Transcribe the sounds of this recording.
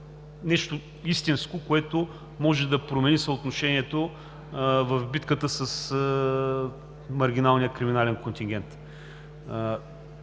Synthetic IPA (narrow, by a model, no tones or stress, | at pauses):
nɛʃt̪o | ist̪inskokoɛt̪o | mɔʒɛd̪ɐpɾomɛnisəot̪noʃɛniɛt̪o | vɐfbit̪kət̪əsɐs | mɐɾɡʲinalˠnʲijəkɾiminalɛnkont̪ʲiŋɡʲɛnt̪